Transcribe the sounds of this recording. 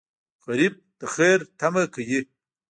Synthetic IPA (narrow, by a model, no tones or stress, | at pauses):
ɣɐɾib̚d̪̥əxeɾt̪amɐkɐje